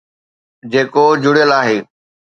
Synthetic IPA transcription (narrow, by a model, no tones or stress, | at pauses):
d͡ʑeːkod͡ʑʊɽjəlaːɦeː